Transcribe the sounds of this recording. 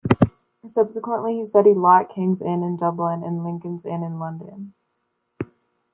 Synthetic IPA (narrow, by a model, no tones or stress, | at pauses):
sʌb̥səkwə̃nʔliistʌɾidˡlɑt̚kʰɪ̃ŋzɪ̃nɨ̃ndʌblɪ̃nɨ̰̃nlɪ̃ŋkɨ̃nzɪ̃nɨ̃nlʌ̃ndɨ̰̃n